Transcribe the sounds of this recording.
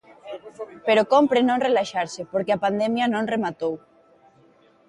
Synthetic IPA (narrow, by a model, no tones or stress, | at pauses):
peɾokompɾenõŋrelaʃaɾsɪpoɾkeapand̪ɛmjɐnõŋremat̪ow